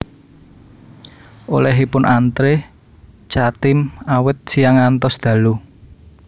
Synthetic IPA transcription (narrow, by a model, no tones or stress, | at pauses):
ʔo̰lɛɦipʊnʔant̪ɾe | t͡ʃat̪ɪmawɪt̪̚sijaŋant̪ɔsd̪̥ä̤lu